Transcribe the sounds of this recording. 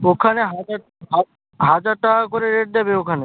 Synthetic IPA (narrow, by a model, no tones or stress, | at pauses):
okʰaneɦad͡ʒa | ɦa | ɦad͡ʒaɾʈakoɾeɾeʈ̚d̪ɛbeokʰane